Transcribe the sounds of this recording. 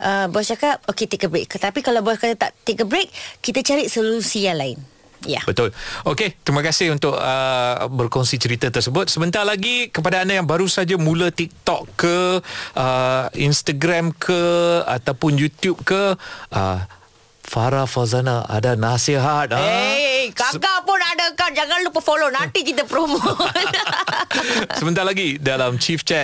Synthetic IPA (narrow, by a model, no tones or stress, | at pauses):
ʔəbɔst͡ʃakap̚oket̪ekəbɾekːət̪apikalawbɔskaat̪a̰ʔt̪ekəbɾek̚ːit̪at͡ʃaɾit̪̚solusijaŋlaɪn | ja̰bət̪ʊloket̪ɾimakasɪhunt̪ʊʔəbərkɔŋsit͡ʃəɾit̪at̪ərsəbʊt̪̚səbənt̪arlaɡikəpadaːndajaŋbaɾusad͡ʒamũlat̪ik̚t̪ɔkːəʔəinst̪aɡɾamkʰəa̰t̪awpʊnjut̪jup̚kəə̰ | faɾafalzanaʔa̰danasiɦat̪̚aekaɡapʊnadakand͡ʒaŋanlupəfolonant̪ikit̪əpɾomoo | səmənt̪aɾlaɡidalamt͡ʃift͡ʃɛt̚